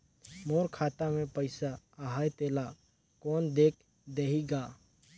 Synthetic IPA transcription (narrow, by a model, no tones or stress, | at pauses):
moːɾkʰaːt̪amẽpəɪsa | əɦaːjt̪eːla | kɔːnd̪eːk̚ʰ | d̪eɦiɡaː